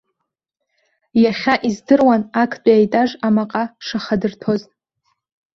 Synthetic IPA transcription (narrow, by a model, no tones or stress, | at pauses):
jaχʲaʔizdɨrwanakʰt͡pʼaajtʼaʐamaqʼaʂaχadɨrtʰo̞z